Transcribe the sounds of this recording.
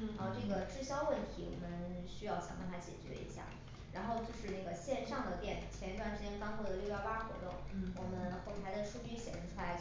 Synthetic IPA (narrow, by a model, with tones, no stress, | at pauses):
xʈ͡ʂɤ˥˩ɡə˩ʈ͡ʂɻ̩˥˧˩ɕjɑ˥ʊwə˥˩nt̪ʰi˧˥wɔ̰˨˩mə˦nɕy˥jɑ˥˩ʊɕjɑ̰˨˩ŋpa˥˧˩nfʰa˥t͡ɕjɛ̰˨˩t͡ɕɥɛ̰˧˥ḭ˧˥ɕja̰˥˩ | ɻa˧˥nxo˥˧ʊt͡ɕjo˥˧ʊʂɻ̩˧na˥˩ɡə˩ɕjɛ˥˧nʂɑ˥˩ŋd̪ə˩t̪jɛ˥˩nt͡ɕʰjɛ˧˥ni˧˥t̪wa˥˩nʈ͡ʂɻ̩˥˩t͡ɕjɛ˥nkɑ˥ŋkʰɔ˥˩d̪ə˨˩ljo˥˧˩jɑ˥ʊpa˥xwɔ̰˧˥t̪ʊ̰˥˩ŋwɔ˨˩mə˦nxo˥˩t̪ʰa˧˥ɪd̪ə˧ʂu˥t͡ɕy˥ɕjɛ̰˨˩ʂə˧˥ŋʈ͡ʂʰu˥la˧˥ɪt͡ɕ